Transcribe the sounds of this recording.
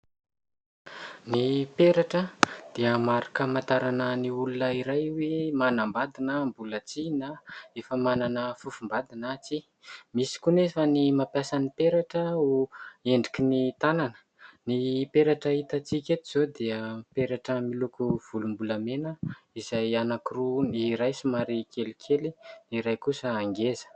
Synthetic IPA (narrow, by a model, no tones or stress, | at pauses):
nipeɾaʈ͡ʂəd̪̥iəmaɾakəmant̪aɾanəniulunəiɾajwemanambad̪inəmbulət͡sinaefəmananəfufumbad̪inat͡si | misi̥kunefənimapjasanipeɾaʈ͡ʂəueɳɖ͡ʐikinit̪ananə̥ | nipeɾaʈ͡ʂait̪at͡sikʲet̪iz̥od̪eəpeɾaʈ͡ʂəmilukuv̥ulumbuləmenəizajanakiruniɾajsimaɾikelikʲʰeliniɾajkusəaŋɡezə̥